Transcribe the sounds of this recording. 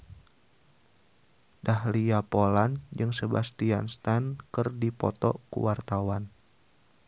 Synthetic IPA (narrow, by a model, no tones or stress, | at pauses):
dahliapoland͡ʒɨŋsəbast̪ianst̪ankɨrdipɔt̪ɔ̰kṵwart̪awan